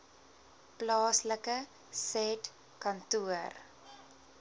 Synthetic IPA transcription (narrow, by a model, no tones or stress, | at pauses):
plɑːsləkə | sɛt | kɐntuər